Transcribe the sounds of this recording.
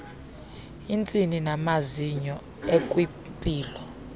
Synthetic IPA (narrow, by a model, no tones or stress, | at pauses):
int͡sʼininamaziɲɔ | ekʼwi | pʼiːlɔ